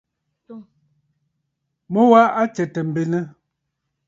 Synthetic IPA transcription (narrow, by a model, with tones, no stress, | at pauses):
mɔ˦wa˦ʔa˦t͡ʃɛ˨tɛ˨m̩˨be˨nɛ˦